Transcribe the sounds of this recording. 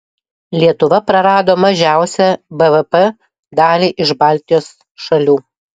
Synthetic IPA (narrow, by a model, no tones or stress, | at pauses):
lʲiɛt̪ʊʋɐpɾɐɾɑːd̪oːmɐʒʲæˑʊsʲɛbɛʋɛpɛ | d̪ɑːlʲiːʔɪʃbɑˑlʲt̪ʲɪjoːs | ʃɐlʲuː